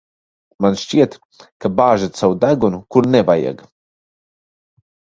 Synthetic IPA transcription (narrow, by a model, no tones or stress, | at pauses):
manʃt͡ɕiɛt̪ | kabaːʒət̪sawd̪aɡonkuɾnɛbajɛ̰ɡ